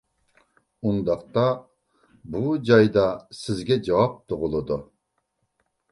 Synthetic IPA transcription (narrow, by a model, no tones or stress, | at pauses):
und̪ɑqt̪ɑ | bud͡ʒɑjd̪ɑsɪzɡʲɛd͡ʒɑwɑp̚t̪ʰoʁʊlˠɨd̪u